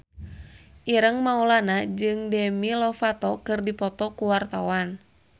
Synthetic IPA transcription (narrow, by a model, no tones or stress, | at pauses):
ʔiɾəŋmaulanad͡ʒɨŋdɛmilɔfat̪ɔkɨrdipɔt̪ɔkuwart̪awan